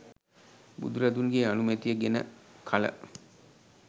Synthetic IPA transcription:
bṵd̪uɾɐd̪unɡeanumet̪ijəɡenə̰kʰɐlə̰

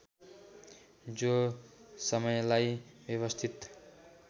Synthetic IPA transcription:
d͡zosʌmʌjlajbjʌβʌst̪ʰit̪

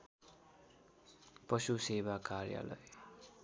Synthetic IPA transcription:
pʌsusebakarja̰lʌ̰j

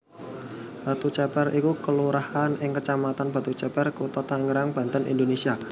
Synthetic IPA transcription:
b̥a̤t̪ut͡ʃɛpɛrikukəluɾahanɪŋkət͡ʃamat̪anb̥a̤t̪ut͡ʃɛpɛrkut̪ɔt̪aŋəɾaŋb̥a̤nt̪ənḭnd̪onesia

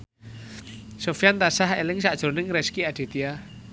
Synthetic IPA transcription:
sofjant̪asahḛlɪŋsaʔʒ̥o̤nɪŋɾɛskiad̥i̤t̪ia

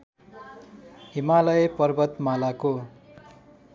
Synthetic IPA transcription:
ɦimalʌjpʌrbʌt̪malako

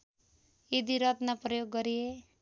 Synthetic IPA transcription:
id̪iɾʌt̪naprʌjoɡːʌɾije

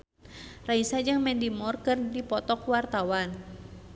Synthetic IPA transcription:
raisad͡ʒɨŋmɛndimɔrkɨrdipɔt̪ɔkwart̪awan

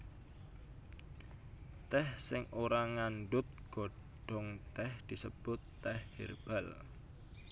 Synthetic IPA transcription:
t̪ɛhsɪŋoɾaŋanɖʊt̪̚ɡ̥o̤ | ɖ̥ɔŋt̪ɛhd̪̥i̤səb̥ʊt̪ːɛhːḛrb̥a̤l

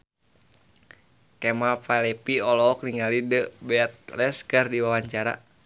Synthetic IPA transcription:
kɛmapalɛpiɔlɔɔk̚niŋalidəbɛat̪̚lɛskərdiwawaɲt͡ʃaɾa̰

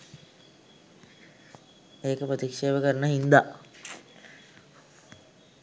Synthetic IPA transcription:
eːkəprət̪ikʂeːʋəkəɾənəɦind̪a

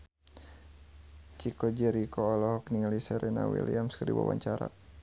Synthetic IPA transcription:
t͡ʃikɔd͡ʒɛɾikʰɔːlɔhɔkniŋlisɛɾɛna̰wḭliamskərdiwa̰wa̰ɲt͡ʃaɾa̰

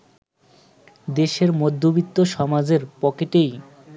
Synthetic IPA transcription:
d̪eʃeɾmod̪ʱːobit̪ːoʃɔmad͡ʑeɾpɔkeʈej

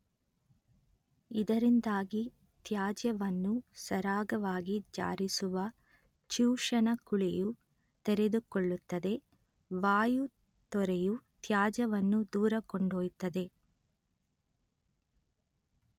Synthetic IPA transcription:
id̪ɐɾind̪aːɡi | t̪jaːd͡ʒjɐʋɐnːusɐɾaːɡɐʋaːɡid͡ʒa̰ːɾisuʋɐ | t͡ʃuːʂɐnɐkuɭɛju | t̪eɾe̞d̪ukɔɭːut̪ːɐd̪e̞ | ʋaːju | t̪ɔɾejut̪jaːd͡ʒɐʋɐnːud̪uːɾɐkoɳɖoːjut̪ːɐd̪e̞

